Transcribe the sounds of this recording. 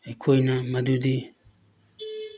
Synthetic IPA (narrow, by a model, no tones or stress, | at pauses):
ekʰojnamɐd̪ud̪i